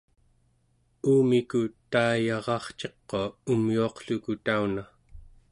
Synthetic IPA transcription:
uːmikut̪aːjɑʁɑχt͡ʃe̞qːoumjuɑqɬukut̪auna

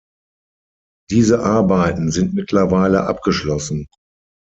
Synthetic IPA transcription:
d̥iːzəʔaɐbaɪtn̩zɪntmɪtʰlɐvaɪləʔa̰p̚ɡ̥əʃlɔsn̩

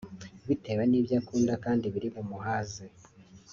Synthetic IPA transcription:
βite̞βaniːβjakuːndakaːndiβiɾiβumuhaːze

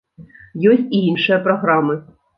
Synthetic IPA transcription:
jɔsʲt̚ʲiinʃʊjɐpɾɔɦɾamɨ

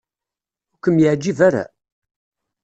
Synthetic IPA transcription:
ʊkəmjəʕd͡ʒːivaɾa̰

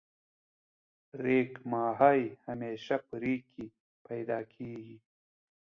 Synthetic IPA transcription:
ɾeːkmɑːɦajhameːʃapəɾikʰi | pɐjd̪ɑːkʰeːɡi

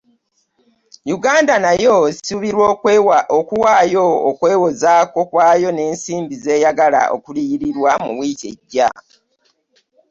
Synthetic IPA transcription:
juɡaːndanajo̞suβiɾwookuwaːjo̞ːkwe̞ːwozaːko̞kwaːjo̞ne̞ːnsiːmbize̞ːjaɡala̰ʔo̞̰kulijiɾiɾwamṵβwiːce̞̰ɟːa̰

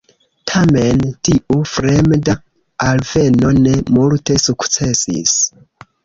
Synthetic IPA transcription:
tʰame̞ntiʔufɾemda | alve̞no̞ne̞multe̞sukt͡se̞sḭs

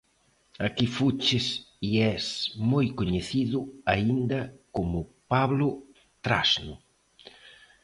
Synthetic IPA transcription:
akifut͡ʃɪsiɛsmojkoɲeθiðʊaind̪ɐkomʊpaβlʊ | t̪ɾasnʊ

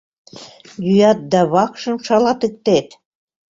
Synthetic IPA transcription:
j̪yjɑt̪̚d̪ɑβɑkʃɤ̆mʃɑlɑt̪ek̚t̪et̪

